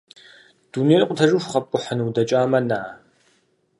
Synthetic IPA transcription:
d̥uneːnɨqʷʼʊtʰɐʐɨʃʷχɐpʷʼʊħənwdɐt͡ʃʼaːmɐnaː

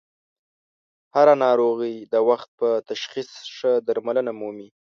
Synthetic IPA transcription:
haɾanɑɾoɣəjd̪əwaxt̪̚pət̪aʃxisʂəd̪aɾmalənamumi

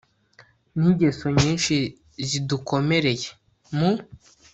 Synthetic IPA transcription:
niɟesoɲiːnʃi | zidukomeɾeje | mu

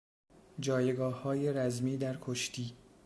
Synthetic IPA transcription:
d͡ʒɒːjeɡɒːhhɒːjeɾæzmiːd̪æɾkʰoʃt̪ʰiː

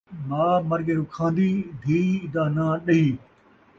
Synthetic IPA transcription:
maːmɐɾɡeːɾʊkʰãːnd̪iːd̪ʱiːd̪aːnãːɗɐɦiː

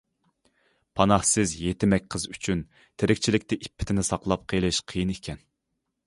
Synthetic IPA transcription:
pʰɑnɑhsɨzjet̪ɪmɛkʲqʰəzyt͡ʃʰyn | t̪ʰeɾɪkʲt͡ʃʰilɪkʲt̪ɪʔipʰːɪ̥t̪ʰɪnɪsɑqlˠɑp̚qʰəjlˠɨʃqʰijinekʲʰɛn

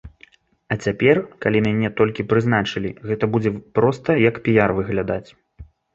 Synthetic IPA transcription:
ɐt͡sʲapʲɛrkalʲimʲanʲɛt̪ɔlʲkʲipɾɨzn̪at͡ʂɨlʲiɣɛt̪ɐbud͡zʲɛpɾɔst̪ɐjɐkpʲijarvɨɣlʲad̪at͡sʲ

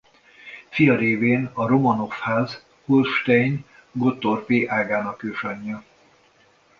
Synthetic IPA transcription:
fijɒɾeːveːnɒɾomɒno̞fhaːz | hulʃt̪ɛjɲ | ɡot̪ːorpeːʔaːɡaːnɒkøːʃɒɲːɒ

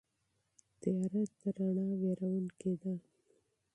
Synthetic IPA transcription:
t̪ijɑɾat̪d̪əɾaɳɑweɾawənked̪a

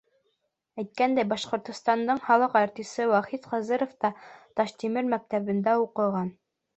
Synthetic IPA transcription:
æjt̪̚kænd̪æjbɑʃqŏɾt̪ŏst̪ɑnd̪ɤɴhɑlˠɤqɑɾt̪isɘwæχit̪qɑzɤɾŏft̪ɑt̪ɑʃt̪imɘɾmæk̚t̪æβɘ̆nd̪æuqɤ̆ʁɑn

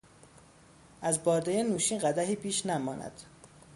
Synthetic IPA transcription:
ʔæzbɒːɾd̪ejenuːʃiːnɢæd̪æɦiːpʰiːʃnæmɒːnʔæ̰d̪̥

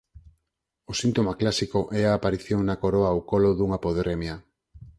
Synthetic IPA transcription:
osint̪omaklasikoʔɛaːpaɾiθjoŋnakoɾoawkoloðuŋapoðɾɛmja

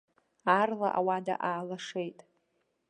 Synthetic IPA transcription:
arla̰ʔawada̰ʔaːlaʂejtʼ

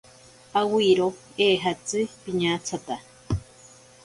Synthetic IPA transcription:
awiɾo | eːɦat͡sɨpiɲãt͡sʰat̪a

